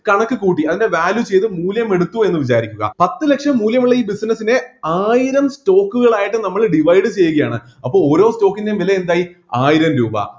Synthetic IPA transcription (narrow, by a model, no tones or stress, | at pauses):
kɐɳɐkːɨkuːʈ̬ːiɐðinde̞ʋaːljut͡ɕe̞jt̪ɨmuːljɐme̞ɽut̪ːue̞nːɨʋit͡ɕaːɾikʲːuɣɐ̰pɐt̪ːɨle̞kʂɐmːuːljɐmuɭːɐiːbisnɐsine̞aːjiɾɐmsto̞ːkːuɣɐɭaːjiʈːɨnɐmːɐɭɖiʋɐjɖɨt͡ɕe̞jːuɣɐjaːɳɨ̰ | ɐpːo̞ːɭo̞ːɾo̞ːsto̞ːkːindeʋileend̪aːji | aːjiɾɐmɾuːbɐ̰